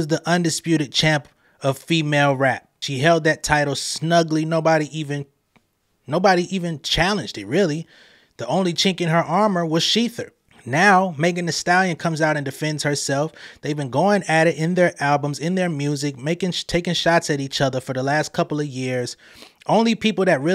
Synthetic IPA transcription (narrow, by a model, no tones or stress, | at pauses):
ʌzðiʔʌ̃ndɨspjʉɾɨd̚t͡ʃʰæ̃mp | ʌv̥fimeɪlˠɹæp̚ʃiɦɛlˠd̪̚ðɨtʰaɪɾl̩ˠsnʌɡlinoʊbɑɾiʔivɨ̃n | noʊbɑɾiʔivɨ̃nt͡ʃʰælˠɨ̃nd͡ʒdɨt̚ɹɪlˠi | ðiʔõʊ̃nlit͡ʃʰɪ̃ŋkɨ̃nə˞ʔɑɹmə˞wʌz̥ʃiθə̰˞ | naʊmeɪkɨ̃nɨstælˠjɨ̃nkʰʌ̃mzaʊɾɨ̃ndɨfɛ̃ndz̥hə˞sɛlˠfðeɪvbɨ̃nɡoʊɪ̃ŋɨɾɪɾɪ̃nðə˞ʔælˠbə̃mzɨ̃nðə˞mjʉzɨk̚meɪkɪ̃ŋtʰeɪkɪ̃ŋʃɑtsɨɾit͡ʃʌðə˞fə˞ðəlæstkʰʌpl̩ˠʌvjɪɹz̥ | ʔõʊ̃nlipʰipl̩ˠðɨt̚ɹɪ